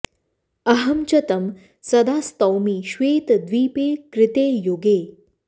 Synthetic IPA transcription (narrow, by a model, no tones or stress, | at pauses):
ɐɦəmt͡ɕɐt̪əm | sɐd̪aːst̪ɐwmiːɕʋeːt̪d̪ʋiːpeːkɾɪt̪eːjoːɡeː